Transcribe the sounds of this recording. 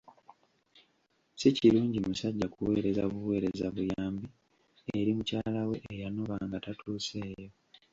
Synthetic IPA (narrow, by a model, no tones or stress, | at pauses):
siciluːɲɟimusaɟːakuwe̞ːɾe̞zaβuwe̞ːɾe̞zaβujaːmbi | eɾimucaːlawe̞ʔːjanoβaːŋɡatatʰuːse̞ːjo